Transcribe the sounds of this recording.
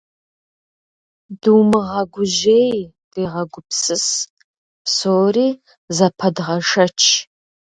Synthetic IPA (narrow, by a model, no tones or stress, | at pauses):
dɨwmɨʁɐɡʷʊʒej | d̥eːʁɐɡʷʊpsɨs | psoːriː | zɐpʰɐdʁɐʂɐt͡ʃʰ